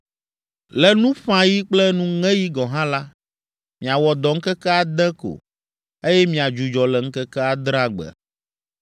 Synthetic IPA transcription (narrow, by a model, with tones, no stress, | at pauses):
lɛ˨nũ˦ɸã˨ji˦k͡plɛ˦nũ˦ŋɛ̃˦ji˦ɡɔ˨ɦã˦la˦ | mĩ˨a˨wɔ˨d̪ɔ˨ŋ̩˦kɛ˦kɛ˦a˨d̪ɛ˦ko̰˨ | e˦jɛ˦mĩ˨a˨d͡ʒu˨d͡ʒɔ˨lɛ˨ŋ̩˦kɛ˦kɛ˦a˨d̪ɾã˦ɡ͡bɛ̰˨